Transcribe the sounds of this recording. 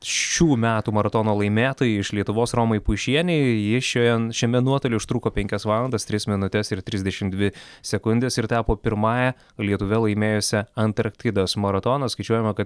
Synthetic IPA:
ʃʲuːmʲæːt̪uːmɐɾɐt̪oːnoːlˠɐɪmʲeːt̪oːjiɪʃlʲiɛt̪ʊʋoːsroːmɐɪpʊʃʲiɛnʲɛɪjɪʃʲojɛʃʲɛmʲɛnuɔt̪olʲɪʊʃt̪ɾuːkoːpʲɛŋʲkʲɛsʋɑːlˠɐnd̪ɐst̪ʲɾʲɪsmʲɪnʊt̪ʲɛsɪɾt̪ʲɾʲɪzʲd̪ʲɛʃʲɪmd̪ʲʋʲɪsʲɛkʊnʲd̪ʲeːsɪɾt̪ʲɑːpoːpʲɪɾmɑːjɛ | lʲiɛt̪ʊʋʲɛlˠɐɪmʲeːjoːsʲɛɐnt̪ɐɾkt̪ʲɪd̪osmɐɾɐt̪oːnɐskɐɪt͡ʃʲuɔjɛmɐkɐt̪

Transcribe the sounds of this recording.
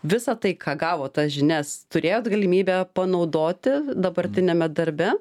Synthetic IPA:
ʋʲɪsɐt̪ɐɪkʰɑːɡɑːʋoːt̪ɐsʒʲɪnʲɛst̪ʊɾʲeːjoːt̪ɡɐlʲɪmʲiːbʲæːpɐnɐʊd̪oːt̪ʲɪd̪ɐbɐɾʲt̪ʲɪnʲɛmʲɛd̪ɐɾʲbʲɛ

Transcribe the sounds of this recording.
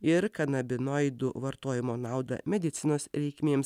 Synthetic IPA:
ɪɾkɐnɐbʲɪnoɪd̪ʊʋɐɾt̪oːjɪmoːnɑˑʊd̪ɐ̰mʲɛd̪ʲɪt̪sʲɪnoːsɾʲɛɪkʲmʲeːms

